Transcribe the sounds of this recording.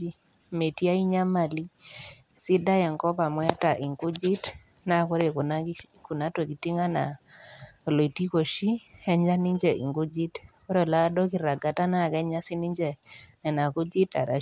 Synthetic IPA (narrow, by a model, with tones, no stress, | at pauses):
i˦ | me˨ti˦a˦i˦ɲa˦ma˨li˦ | si˦da˦jɛ˨ŋkɔ˦pa˨mwɛ˦ta˨ʔi˨ŋɡu˦d͡ʒi˦t | na˦˨ko˦ɾe˨ | ku˨na˦to˨ki˨ti˦ŋa˦na˨ | lo˨i˨ti˦ko˨ʃi˦ɛ˦ɲd͡ʒa˦ni˦ɲd͡ʒɛ˨ʔḭ˨ŋɡu˦d͡ʒi˦tko˦ɾɔ˨la˦dɔ˦ki˨ɾa˨ɡa˨ta˦na˦˨kɛ˦ɲa˦si˦ni˦ɲd͡ʒɛ˨ŋɛ˨na˨ku˦d͡ʒi˦ta̰˨ɾa̰˨